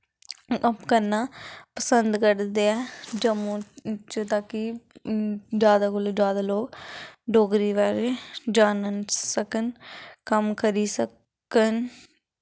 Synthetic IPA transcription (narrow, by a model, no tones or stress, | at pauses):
pkəɾnaːpəsənd̪kəɾd̪eːɛːd͡ʒəmõːt͡ʃt̪aːkɪ | d͡ʒjaːd̪aːkʊloːd͡ʒjaːd̪aːloːkɖoːɡɾiːʋaːɾed͡ʒaːnənsəkənkəmkəɾiːsə | kən